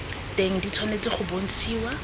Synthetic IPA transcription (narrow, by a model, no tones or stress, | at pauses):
teŋ̩dit͡sʰwanet͡sɪχʊbon̩t͡sʰiːwa